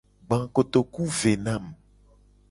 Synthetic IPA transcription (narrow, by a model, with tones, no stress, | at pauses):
ɡ͡bã˨ko˨t̪o˨ku˦ve˨nã˦˨m